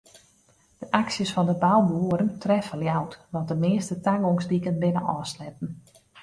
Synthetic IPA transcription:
d̥əʔaksjəsfɔndəbawbuuəɾəntʰrɛfəljawtʋɔt̚dəmɪəstətaŋoŋsdikənbɪnəʔɔːslɛtn̩

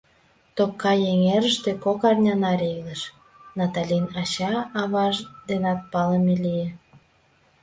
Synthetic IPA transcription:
t̪okːɑjeŋeɾəʃt̪ekokɑrnʲɑnɑɾeləʃ | nɑt̪ɑlʲinɑɕɑɑβɑʒd̪enɑt̪̚pɑləmelijĕ

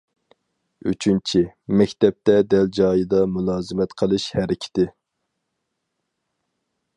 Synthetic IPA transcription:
y̰t͡ʃʰynt͡ʃʰimɛkʲt̪ɛp̚t̪ɛd̪ɛld͡ʒɑːjɨd̪ɑmulˠɑːzɨmɛt̪qʰəlˠɨʃhɛɾɪkʲʰɪ̥t̪ɪ

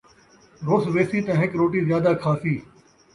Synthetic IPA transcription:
ɾoːsʋeːsiːt̪ãɦɪkɾoːʈiːzjaːd̪aːkʰaːsiː

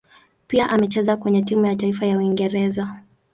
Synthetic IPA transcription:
piaʔamɛt͡ʃɛzakwɛɲɛtimujataifajauwiŋɡɛɾɛza

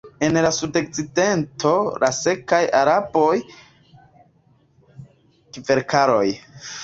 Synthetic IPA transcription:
e̞nlasudo̞k̚t͡side̞ntʰo̞lʔa̰se̞kajaɾabo̞j | kive̞ɾkʰaɾo̞̰j

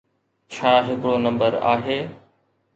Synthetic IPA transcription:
t͡ɕʰaːɦɪkɽonɐ̃mbəɾa̰ːɦeː

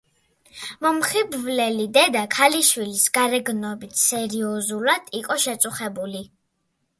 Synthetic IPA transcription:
mɔmχibvlɛlid̪ɛd̪akʰaliʃwilisɡaɾɛɡnɔbit̪ʰsɛɾiɔzulad̪̥iqʼɔʃɛt̪sʼuχɛbuli

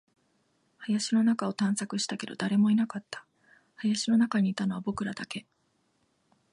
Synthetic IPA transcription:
hajaɕino̞nakao̞t̪ãɰ̃sakɯ̟ɕi̥t̪ake̞d̪o̞̰d̪aɾe̞mo̞inakat̪ːḁ | hajaɕino̞nakaɲ̟iːt̪ano̞β̞abo̞kɯ̟ɾad̪ake̞

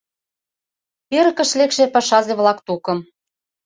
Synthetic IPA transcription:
peɾə̆kə̆ʃlekʃepɑʃɑzeβlɑkt̪ukɤ̆m

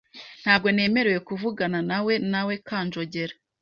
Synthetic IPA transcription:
n̥haːb̚ɡo̞ne̞ːme̞ɾeje̞kuvuɡananawe̞nawe̞kaːnd͡ʒo̞ɟe̞ɾa

